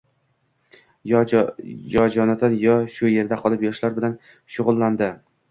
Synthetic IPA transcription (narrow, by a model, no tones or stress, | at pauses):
jɒd͡ʒɒnad̪anjɒʃʊje̞ɾd̪aqʰɒlˠɪpjɒʃlaɾbɪlan | ʃʊʁʊlˠːand̪ɪ